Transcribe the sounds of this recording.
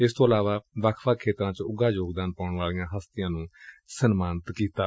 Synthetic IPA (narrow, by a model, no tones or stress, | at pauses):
ɪst̪õːəlaːʋaːʋəkʰʋaːkʰeːt̪ɾãːt͡ʃʊɡaːd͡ʒoːɡd̪aːnpaʊɳʋaːlijãːɦəst̪ɪjãːnũːsənmaːnət̪kiːt̪aː